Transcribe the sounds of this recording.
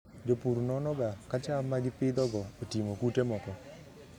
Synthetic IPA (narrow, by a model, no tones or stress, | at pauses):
d͡ʒopuɾnɔnɔɡakat͡ʃamaɡɪpɪd̪ɔɡɔotimokutemɔkɔ